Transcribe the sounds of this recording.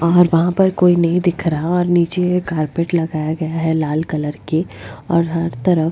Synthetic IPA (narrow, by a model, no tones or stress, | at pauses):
ɔːɾʋɐɦãpɐɾkoːinɐɦĩd̪ɪkʰɾɐɦaɔːɾniːt͡ʃekaːɾpeːʈlɐɡaːjaɡɐjaɦɛlaːlkɐləɾkeɔ̰ːɾɦɐɾt̪ɐɾəf